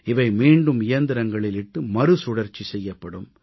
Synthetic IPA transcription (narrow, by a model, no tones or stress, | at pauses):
ɪʋɐɪmiːɳɖɯmɪjɐnd̪ɪɾɐŋɡɐɭɪlɪʈːɯmɐɾɯsʊɽɐɾt͡ʃːisɛjːɐpːɐɽɯm